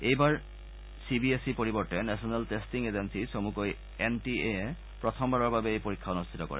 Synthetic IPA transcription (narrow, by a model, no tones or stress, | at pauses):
ejbaɾ | sibiesipoɾiboɾʈenɛʃonelʈesʈiŋed͡ʑensiʃomukoj | enʈiee | pɾot̪ʰombʱaɾoɾbʱabeejpoɾikʰːaonost̪ʰit̪okɔ̰ɾḛ